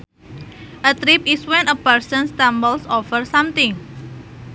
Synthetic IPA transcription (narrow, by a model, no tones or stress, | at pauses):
ʔət̪ɾipiswɛ̃nəpəɾsə̃nst̪ãmbəlsɔfərsãmt̪ɪ̃ŋ